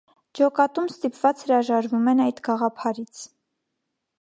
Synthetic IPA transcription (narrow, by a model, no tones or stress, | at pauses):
d͡ʒɔkɑt̪umst̪ipvɑt͡shəɾɑʒɑɾvumɛnɑjd̪ɡɑʁɑpʰɑɾit͡sʰ